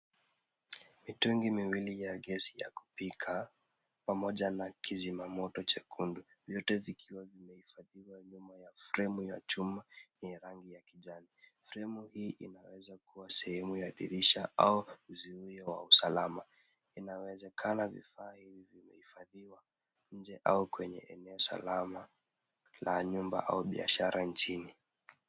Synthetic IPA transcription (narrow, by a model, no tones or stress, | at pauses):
mituŋɡimiwilijaɠɛsija̰ku̥pikʰa | pamɔʄanakʰizimamɔtɔt͡ʃakʰundu | vjɔtɛvikʰiwavimɛhifaðiwaɲumajafɾɛmuja̰t͡ʃumaniɾaŋɡijakiʄanifɾɛmuhiːʔinawɛzakuwasɛhɛmujaɗiɾiʃaauziujawausalama | inawɛzɛkʰanavḭfaːhivivimɛhifaðiwa | ɲ̩d͡ʒɛʔa̰ukwɛɲɛ̰ʔɛnɛɔsa̰lama | laɲumba̰ʔa̰uɓia̰ʃaɾʔant͡ʃini